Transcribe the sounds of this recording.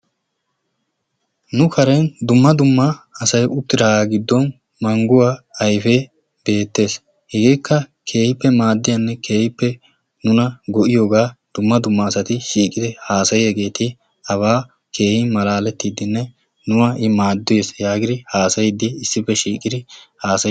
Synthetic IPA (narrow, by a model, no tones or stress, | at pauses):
nʊkʰɐɾɛnd̪ʊmːɐd̪ʊmːɐɐsɐjʔʊt̪ːɪɾaːɡɪd̪ːɔn | mɐŋɡʊwaːɐjfeː | be̞ːt̪ːe̞ːs | hɛɡeːkːɐkʰe̞ːhɪpːɛmaːd̪ːɪjɐnːɛkʰe̞ːhɪpːɛ | nʊnɐɡɔʔɪjo̞ːɡaːd̪̥ʊmːɐd̪ʊmːɐːsɐt̪ɪʃiːkʼɪd̪ɪhaːsɐjjɛɡe̞ːt̪ɪ | ɐβaː | kʰe̞ːhɪmɐlaːlɛt̪ːiːd̪ɪnːɛ | nʊwɐʔɪmaːd̪ːɪjesjaːɡɪd̪ɪhaːsɐjɪd̪ːɪːsːɪpːɛʃiːkʼɪd̪ɪhaːsɐ